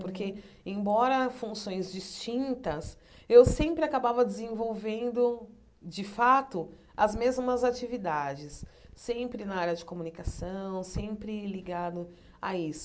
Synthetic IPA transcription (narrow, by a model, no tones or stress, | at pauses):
poɾke | ẽbɔɾɐfũsõj̃zd͡ʒist͡ʃĩnt̪ɐs | ewsẽmpɾɪakabavɐd͡ʒɪzẽvowvẽnd̪ʊ | d͡ʒɪfat̪ʊ | ɐzmezmɐzat͡ʃivid̪ad͡ʒɪsːẽmpɾɪnaaɾjɐd͡ʒɪkomunikasɐ̃w̃sẽmpɾɪliɡad̪ʊ | a̰isʊ